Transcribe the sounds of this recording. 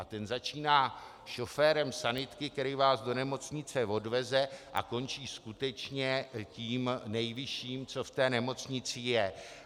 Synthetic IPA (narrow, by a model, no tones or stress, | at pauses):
ʔat̪ɛnzat͡ʃiːnaː | ʃo̞fɛːɾɛmsanɪt̪kɪkt̪ɛɾɪjvaːzdo̞nɛmo̞t͡sɲɪt͡sɛvo̞dvɛzɛʔa̰ko̞nt͡ʃiːskut̪ɛt͡ʃɲɛciːmnɛjvɪʃiːmt͡so̞ft̪ɛːnɛmo̞t͡sɲɪt͡sɪjɛ